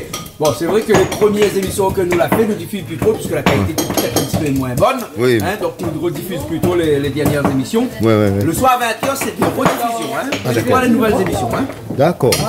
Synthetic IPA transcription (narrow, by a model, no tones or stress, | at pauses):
bɔ̃sɛvʁɛkəlepχəmjeʁzemisjɔ̃kɛlnulafɛnəd̪ifyzplyt̪opiskəlakalit̪et̪ut̪t̪ɛt̪χɛ̃pt̪ipømwɛ̃bɔnwiɛ̃d̪ɔ̃k̪̚ilʁəd̪ifyzplyt̪oleled̪ɛʁnjɛʁzemisjɔ̃wɛwiləswaʁavɛ̃t̪œʁsɛd̪ɛʁəd̪ifizjɔ̃ɛ̃awalenuvɛlzemisjɔ̃ɛ̃ | d̪akɔ̰ːʁ